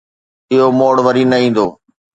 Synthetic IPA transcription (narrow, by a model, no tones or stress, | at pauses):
ɪɦomoːɽʋəɾiːnəĩːn̆d̪oː